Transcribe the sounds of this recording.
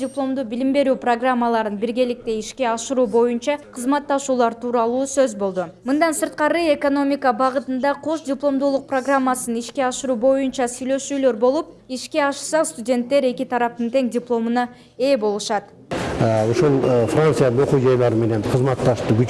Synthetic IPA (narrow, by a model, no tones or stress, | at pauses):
dʲɪplˠo̞md̪ubilimbe̞ɾyːproɡramːəlˠɑɾɯnbiɾɡʲe̞lik̚t̪e̞iʃkʲe̞ɑʃɯɾuːbo̞junt͡ʃɑqʰɯzmɑt̪ːɑʃuːlˠɑɾt̪ʰuːɾɑlˠuːsøzbo̞lˠd̪umɯnd̪ɑnsɯɾt̪̚qɑɾɯe̞ko̞no̞mʲɪkəbɑʁɯt̪ɯnd̪ɑqʰo̞ʃdʲɪplˠo̞md̪uːlˠuq̚proɡramːasɯniʃkʲe̞ɑʃɯɾuːbo̞junt͡ʃɑsyjlø̞ʃyːlø̞ɾbo̞lˠup̚ | iʃke̞ɑʃsɑst̪udʲe̞nt̪ːe̞ɾe̞kʲit̪ʰɑɾɑp̚t̪ɯnt̪e̞ŋdʲɪplˠo̞mɯnɑ | e̞ːbo̞lˠuʃɑt̪ | oʃulˠfrant̪sɨjad̪ɯno̞qud͡ʒɑjlˠɑɾɯme̞ne̞nqʰəzmɑt̪ːɑʃt̪uɡʲy